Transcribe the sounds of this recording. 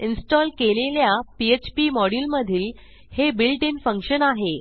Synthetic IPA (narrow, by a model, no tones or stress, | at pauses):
insʈɔlkeleljapiet͡ɕpiːmɔɽilməd̪ʱiːl | hebilʈinfəŋkɕənaɦe